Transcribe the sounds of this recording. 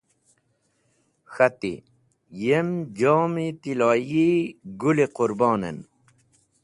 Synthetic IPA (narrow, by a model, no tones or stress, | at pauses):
xɐt̪ḭ | jemd͡ʑoːmit̪ilaːjiɡuliquɾbɑːnḛn